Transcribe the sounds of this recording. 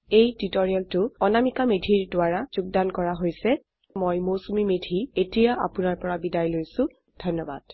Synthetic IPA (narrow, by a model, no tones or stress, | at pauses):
ejtitɔɹialtʊɔnamikamedʱiɹdʊaɹaz̥uɡ̚dankɔɹaɦojsɛ | mojmosumimedʱietijaʔa̰pʊnaɹpɔɹabidajlojsʊ̃ | d̥ʱɔnːɔba̰d̥